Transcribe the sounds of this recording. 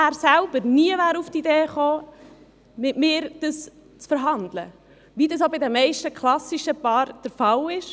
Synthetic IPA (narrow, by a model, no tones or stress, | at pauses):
æːɾsælb̥əɾniəʋæːɾuftideːχoː | mɪtmɪːɾd̥əs | t͡sfəɾɦɑnd̪lə̰ | ʋidəs̬obɪdɛmːɛɪʃtəkʰlɑsiʃəpɑːɾd̥əɾfɑlɪʃ